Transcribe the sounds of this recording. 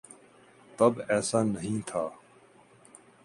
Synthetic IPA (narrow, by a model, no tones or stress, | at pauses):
t̪ɐbɛːsaːnəɦĩːt̪ʰaː